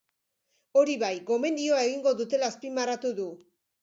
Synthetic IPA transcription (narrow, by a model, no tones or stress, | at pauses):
o̞ɾiβajɡo̞me̞nd̪io̞ae̞ɣ̞iŋɡo̞ðut̪e̞laspimaɾat̪uðu